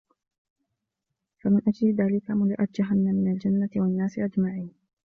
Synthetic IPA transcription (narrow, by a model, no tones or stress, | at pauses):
famɪnʔad͡ʒlɪðaːlɪkamʊlaʔat̪̚d͡ʒaɦanːamːɪnald͡ʒanːat̪ɪwanːaːsɪʔad͡ʒmaʕiːn